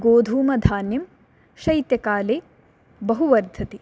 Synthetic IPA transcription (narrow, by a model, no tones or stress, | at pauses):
ɡoːd̪ʱuːmɐd̪ʱaːnjɐm | ʃɐjt̪jɐkaːleː | bɐɦuʋɐɾd̪ʱɐt̪i